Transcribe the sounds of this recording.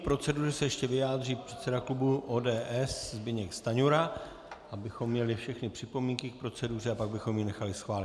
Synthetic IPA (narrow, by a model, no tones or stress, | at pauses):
pɾo̞t͡sɛduːrɛsɛjɛʃcɛvɪjaːd̪riːpr̥ɛt̪sɛdaklubuʔoːdɛːʔɛszbɪɲɛkst̪aɲuɾa | abɪxo̞mːɲɛlɪfʃɛxnɪpr̥ɪpo̞miŋkɪk̚pɾo̞t͡sɛdur̝ɛapaɡbɪxo̞mjɪnɛxalɪsxvaːlɪ